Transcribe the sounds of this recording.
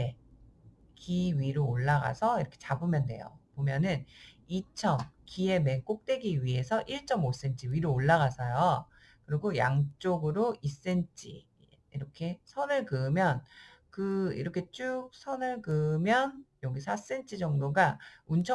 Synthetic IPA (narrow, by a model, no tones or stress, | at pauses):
e | kiɥiɾoːɭːaɡa̰sʰʌiɾʌkʰe̞t͡ɕabɯmjʌnde̞̰jo̰pomjʌnɯnit͡ɕʰʌmkie̞me̞nk͈ok̚t͈e̞ɡiɥie̞sʰʌʔiɭt͡ɕ͈ʌmos͈e̞nt͡ɕʰiɥiɾoːɭːaɣasʰʌjo | kɯɾiɡoja̰ŋt͡ɕ͈oɡɯɾoʔis͈ent͡ɕ͈ʰḭː | ɾʌkʰe̞sʰʌnɯɭkɯmjʌn | kɯḭɾʌkʰe̞t͡ɕ͈uk̚sʰʌnɯɭkɯmjʌnjoɡisʰas͈ent͡ɕ͈ʰid͡ʑʌŋdoɡaunt͡ɕʰʌ